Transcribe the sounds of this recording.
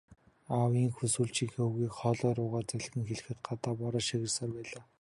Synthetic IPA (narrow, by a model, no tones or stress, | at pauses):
awiːŋxɵsuːɮt͡ɕiːxeuɣiːkχɔːɮɔːɾʊːʁaːt͡sæɮɣɘ̆ŋxeɮɘ̆xɘ̆t̪̚ɢat̪aːpɔɾɔːʃiɣɘ̆rsɔːrpæːɮaː